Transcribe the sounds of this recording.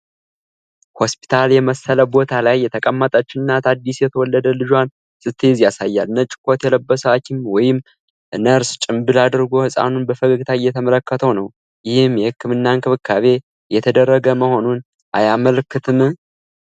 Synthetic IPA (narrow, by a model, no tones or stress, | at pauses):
ho̞spʰi̥t̪ʰaljɛməsːələbo̞t̪ʰalajːɛt̪ʰəkʼəmːət̪ʼət͡ʃːɪɨnːat̪ʰad̪ːisjɛt̪ʰəwɔlːəd̪əlɨd͡ʒan | sɨt̪ʰːzjasajːalnət͡ʃʼɪ̥kʰo̞t̪jɛləbːəsəwat͡ʃːɪmwɔjɪm | nəɾst͡ʃʼɪmbɨlad̪ɨɾɡo̞hɨsʼa̰nunbəfəɡəɡt̪ʰajːɛt̪ʰəmələkːət̪ʰəwnəw | jɪhɪmjɛhɨkːɨmɨnːaŋkʰɨβɨkʰːaβe̞ | jɛt̪ʰəd̪ərːəɡəməho̞nun | ʔajaməlkʰːɨt̪ʰɨmɨ